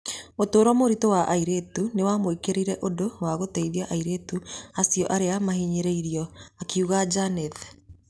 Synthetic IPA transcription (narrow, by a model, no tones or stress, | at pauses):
otoːɾɔmoɾitowaʔaiɾetunewamoikeɾeiɾɛʔodowaɣotɛiðiaʔaiɾetuasiɔʔaɾeamaɦiɲeɾeiɾiɔakiuɣad͡ʒanɛð